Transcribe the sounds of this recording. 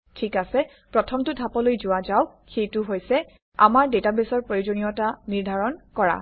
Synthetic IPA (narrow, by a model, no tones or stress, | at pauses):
tʰikasɛ | pɹɔtʰɔmtʊdʱapɔlojzʊazaw | xejtʊɦojsɛ | a̰maɹdetabesɔɹpɹojud͡ʒɔnijɔtaniɹdʱaɹɔnkɔɹa̰